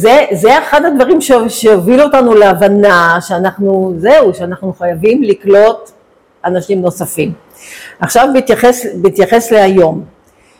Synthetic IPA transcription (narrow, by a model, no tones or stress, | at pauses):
zezeeχadad̪vaʁimʃeʃeoviluotanuleavanaʃeanaχnuzeuʃeanaχnuχajavimliklo̞t | anaʃimno̞safim | aχʃavbit̪jaχesbiit̪jaχe̞sleajo̞m